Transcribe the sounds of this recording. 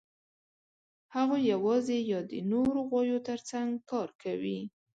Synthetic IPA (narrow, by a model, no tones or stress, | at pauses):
haɣojawɑzejɑd̪ə̰noɾoɣwɑjot̪əɾt͡saŋɡkɑɾkawi